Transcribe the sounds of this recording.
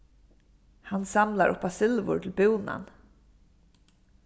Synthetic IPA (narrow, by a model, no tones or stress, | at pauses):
hansamlaɾʔʊ̰pasɪlvʊ̰ɹʈʰl̩buːna̰n